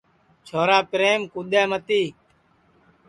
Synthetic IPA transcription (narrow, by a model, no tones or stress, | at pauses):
t͡ʃʰoːɾaːpɪɾeːmkud̪eːmət̪iː